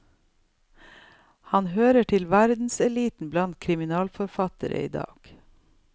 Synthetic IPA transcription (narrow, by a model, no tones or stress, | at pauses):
hɑnhøːɾəʈʰɪlʋæɾd̪n̩sɛliːt̪n̩blɑnt̪̚kʰɾɪmɪnɑːlfɔɾfɑt̪ə̰ɾə̰ḭːd̪ɑ̰ːɡ̥